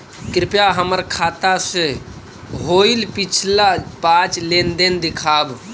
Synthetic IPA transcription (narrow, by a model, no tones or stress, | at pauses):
kɾɪpjaɦəməɾkʰaːt̪ase | ɦoːilpɪt͡ʃʰlapaːt͡ʃleːnd̪end̪ɪkʰaːb